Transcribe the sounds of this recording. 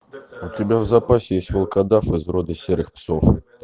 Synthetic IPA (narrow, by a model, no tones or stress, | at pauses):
ut̪ʲibʲawzapasʲɛjesʲtʲvɐlˠkad̪afɨzɾɔd̪ɨsʲɛɾɨxpsɔf